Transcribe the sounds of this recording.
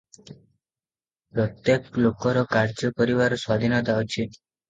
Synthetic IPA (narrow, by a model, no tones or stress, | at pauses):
pɾɔt̪jeklokɔɾɔkaɾd͡ʒɔpɔɾiβaɾɔswad̪ʱinɔt̪aɔt͡ʃʰe